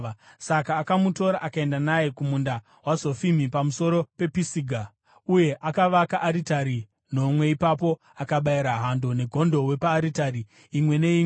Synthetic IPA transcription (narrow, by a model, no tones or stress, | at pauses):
sakaːkamuto̞ɾaʔakae̞ndanajekumunda | wazo̞fimipamuso̞ɾo̞pe̞pisiɡʱa | uje̞ʔakaʋakaʔːɾitaɾi | no̞mwe̞ipapo̞ | akaɓaiɾaɦando̞ne̞ɡʱo̞ndo̞we̞paːɾitaɾiː | mwe̞ne̞i